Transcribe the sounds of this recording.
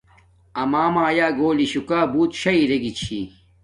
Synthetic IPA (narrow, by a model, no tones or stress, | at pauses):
ɐmaːmaːjaːɡoːliɕukaːbuːt̪ɕɐiɾeɡit͡ɕʰḭ